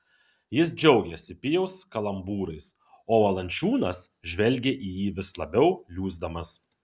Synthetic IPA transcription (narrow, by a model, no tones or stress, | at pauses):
jɪs̬d͡ʒʲɛʊɡʲɛsʲɪpʲɪjɛʊskɐlˠɐmbuːɾɐɪs | oːʋɐlˠɐnʲt͡ʃʲuːnɐsʒʲʋʲɛlʲɡʲeʔiːjiːʋʲɪslˠɐbʲɛʊlʲuːzd̪ɐmɐs